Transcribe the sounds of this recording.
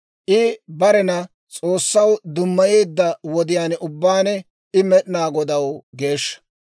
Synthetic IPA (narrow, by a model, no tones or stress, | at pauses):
ʔɪbɐɾɛnɐ | t͡sʼo̞ːsːɐwd̪ʊmːɐjeːd̪ːɐwɔd̪ɪjaːnʊbːaːnɛ | ɪmɛɗɪnaːɡɔd̪ɐwɡe̞ːʃːɐ̥